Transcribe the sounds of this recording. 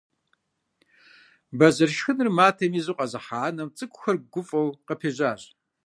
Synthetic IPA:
bɐzɐrʃxɨnrɨmaːtʰɐmiːzuqʼɐzɨħaːnɐmt͡sʼɨkʷʰʼʊxɐrɡʷʊfʼɐwqɐpʰeːʑaːɕʼ

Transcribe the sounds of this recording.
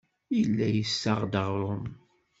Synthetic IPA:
ilːæjəsːəʁd̪əʁɾˤʊn

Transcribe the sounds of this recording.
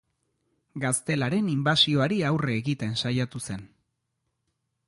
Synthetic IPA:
ɡast̪e̞laɾe̞nimbasio̞aɾiawreːɣit̪e̞nsajat̪use̞n

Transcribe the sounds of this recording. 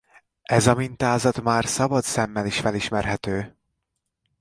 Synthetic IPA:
ɛzɒmint̪aːzɒt̪maːrsɒbɒt̪sɛmːɛliʃfɛliʃmɛrɦɛt̪øː

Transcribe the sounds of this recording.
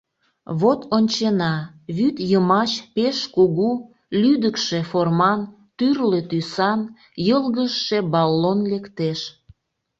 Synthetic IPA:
βot̪onʲt͡ɕenɑ | βyt̪jəmɑt͡ɕpeʃkuɣu | lyd̪əkʃe̽formɑn | t̪yrlet̪ysɑn | jəlɣəʃːebɑlːonlekt̪eʃ

